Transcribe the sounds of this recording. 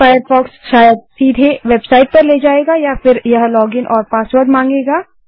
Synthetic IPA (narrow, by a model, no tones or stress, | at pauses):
faːjəɾfɔːksʃaːjəd̪̚siːd̪ʱeʋeːbsaːɪʈ̚pɐɾleːd͡ʒaːeːɡaːjafɪɾjɐɦlɔːɡɪnʔɔːɾpaːsʋəɾɖmãːŋɡeːɡaː